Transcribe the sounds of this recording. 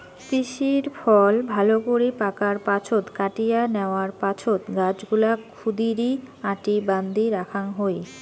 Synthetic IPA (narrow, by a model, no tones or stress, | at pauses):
t̪iʃiɾfʰɔlbʱalokoɾipakaɾpat͡ɕʰot̪kaʈijaneoaɾpat͡ɕʰot̪ɡad͡ʑɡulakʰud̪iɾiãʈiband̪iɾakʰanɦoj